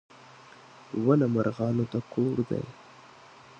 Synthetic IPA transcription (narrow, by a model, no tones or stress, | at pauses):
wanamaɾɣɑnot̪akʰoɾd̪a̰j